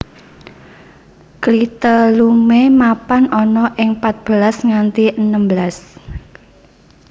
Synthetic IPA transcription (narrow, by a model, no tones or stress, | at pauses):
klit̪əlumemapanɔnɔʔɪŋpat̪̚b̥əlasŋant̪iʔənəmbəlas